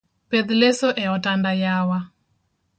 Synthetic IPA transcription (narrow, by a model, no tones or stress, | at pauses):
pɛðlɛsɔʔɛɔtandajawa